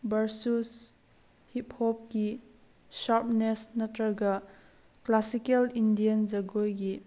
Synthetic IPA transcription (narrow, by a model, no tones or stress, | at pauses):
bɐɾsus | hip̚hɔp̚ki | ʃaɾp̚nɛsnɐtɾɐɡa | klasikɐlindiɐnd͡ʒɐɡojɡi